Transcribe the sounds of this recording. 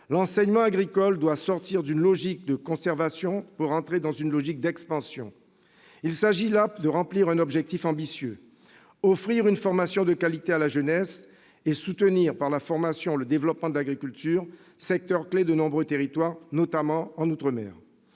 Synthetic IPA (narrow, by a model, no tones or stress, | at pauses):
lɑ̃sɛɲmɑ̃aɡʁikɔld̪wasɔʁt̪iʁd̪ynlɔʒik̚d̪əkɔ̃sɛʁvasjɔ̃puʁɑ̃t̪χed̪ɑ̃zynlɔʒik̚d̪ɛkspɑ̃sjɔ̃ | ilsaʒilapd̪əʁɑ̃pliʁɛ̃nɔbʒɛk̚t̪ifɑ̃bisjø | ɔfχiʁynfɔʁmasjɔ̃d̪əkalit̪ealaʒənɛs | esut̪əniʁpaʁlafɔʁmasjɔ̃ləd̪evlɔpmɑ̃d̪əlaɡʁikʲylt̪yːʁ | sɛk̚t̪œʁkled̪ənɔ̃bʁøt̪eʁit̪waʁnɔt̪amɑ̃ɑ̃nut̪χəmɛ̰ːʁ